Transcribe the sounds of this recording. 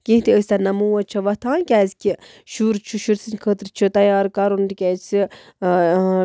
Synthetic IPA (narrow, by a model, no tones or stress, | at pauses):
kĩɦt̪iəsʲt̪anɐmuːwɐt͡ʃʰɐʋɐt̪ʰãːnkʲɛːzkʲʰi | ʃuɾt͡ʃʰuʃuɾsinkʰət̪ɾt͡ʃʰɨt̪ɐjaːɾkaɾund̪ikʲɛːt͡si